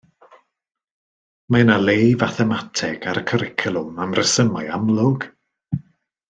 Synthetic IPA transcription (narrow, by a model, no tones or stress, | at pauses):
manalˠejvaθɛmatʰɛɡ̥aɾəkʰəɾɪkʰəlˠʊmamrəsəmajamlˠʊɡ̥